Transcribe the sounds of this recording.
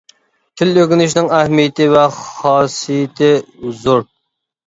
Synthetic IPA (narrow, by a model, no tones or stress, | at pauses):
t̪ʰɪløkʲɪnɪʃnɪŋɛhmijɪt̪ʰɪvɛχχɑːsijɪt̪ʰɪzuɾ